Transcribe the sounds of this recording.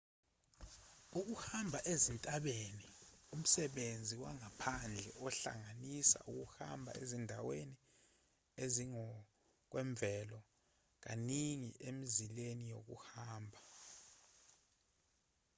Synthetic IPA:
uk̬uhambʱaʔezintʼaɓenium̩sɛɓend͡zʱiwaŋapʰand͡ɮʱɛɔɬa̰ŋanisa̰ʔuk̬uhambʱa̰ḛzindʱaweni | eziŋɔ | k̬wɛɱb̪vɛlɔ | k̬aniŋiʔemizilenijok̬ṵhaːmbʱa

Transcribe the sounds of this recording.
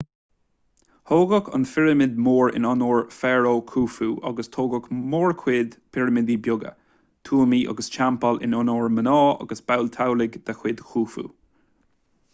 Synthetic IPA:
hoːɡɔkʰə̰nfɪɹəmɪd̪moːɹɪ̰nɔnoːɹfɛːɹoːkʰuːfuːʔɔ̰ɡəst̪ʰoːɡɔkmoːɹkʰwɪːd̪pʰɪɹəmɪd̪ibjʊɡə̰ | t̪ʰuːmiːʔɔ̰ɡəst͡ʃampəlɪ̰nɔnoːɹmənɔːɑ̰ɡəsb̥awlt̪ʰawlɪɡd̪̥axwɪd̪̥xuːfṵː

